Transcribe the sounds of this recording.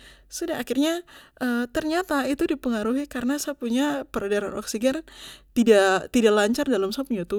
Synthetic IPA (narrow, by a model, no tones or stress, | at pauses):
sudaakɪrɲaʔəːt̪ərɲat̪ait̪udipəŋaɾuɦikaɾənasaapuɲapəɾadaɾa̰nʔɔ̰ksiɡɛnt̪idat̪idalaɲt͡ʃardalamsaapuɲat̪u